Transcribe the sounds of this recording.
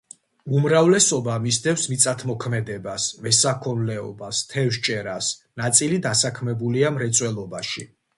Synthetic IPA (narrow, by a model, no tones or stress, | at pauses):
umɾavlɛsɔbamisd̪ɛfsmit̪sʼat̪ʰmɔkʰmɛd̪ɛbasvɛsakʰɔnlɛɔ̰bast̪ʰɛfʃt͡ʃʼɛɾasnat̪sʼilid̪asakʰmɛbuliamɾɛt̪sʼwɛlˠɔbaʃḭ